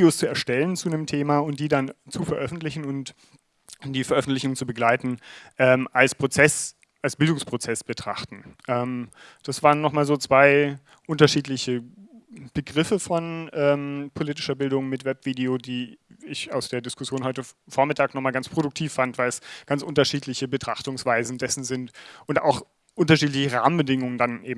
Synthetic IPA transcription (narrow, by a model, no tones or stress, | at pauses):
oːst͡suɛɐʃtɛlənt͡suːdemtʰeːmaːʊnt̚d̥iːdant͡sufɛɐʔœfn̩tlɪçn̩ʊnt | d̥iːfɛɐʔœfn̩tlɪçʊŋt͡subəɡlaɪtn̩ʔɛːmʔalspʁ̥ot͡sɛs | ʔalsb̥ɪldʊŋspʁ̥ot͡sɛsb̥ətʁ̥a̰χtn̩ʔɛːmd̥asv̥aːʁənːɔχmaːlzoːt͡sv̥aɪ | ʔʊntɐʃiːtlɪçə | b̥əɡʁɪfəfɔnʔɛːmpʰoliːt̬ɪʃɐbɪldʊŋmɪtvɛpv̥iːdeoːdiːɪça̰ʊsd̥eːɐdɪskʰʊsjoːnɦɔʏtəfoːɐmɪtʰaːknɔχmaːlɡanspʁ̥odʊk̚tʰiːfːantvaɪlɛsɡ̥ant͡sʔʊntɐʃiːtlɪçəbətʁ̥aχtʊŋsv̥aɪzn̩dɛsn̩zɪntʔʊnta̰ʊx | ʔʊntɐʃiːt̬lɪçəʁa̰ːmənbədɪŋʊŋəndanʔeːbm̩